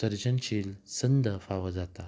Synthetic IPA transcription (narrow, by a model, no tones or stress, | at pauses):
əɾd͡ʑənɕilsənd̪ʱəfaʋəd͡zat̪a